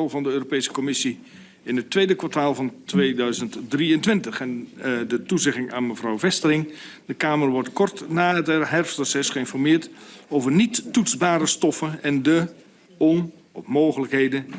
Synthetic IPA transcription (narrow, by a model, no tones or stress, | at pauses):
lˠvɑndəøːropejsə̥kɔmɪsi | ɪnɦətʋejdəkʋataːlˠvɑntʋeːdœɥzəntdriəntʋɪntəχɛndətuzɪχɪŋa̰ːnməvrɔwvɛstərɪŋ | dəkaːmərʋɔrtkɔrtnaːɦətɦɛrfsɔsɛsχəɪnfɔrmɪːrtoːwvərnitːutsbaːɾəstɔfənɛndə | ɔn | ɔmoːwχələkɦeːjdə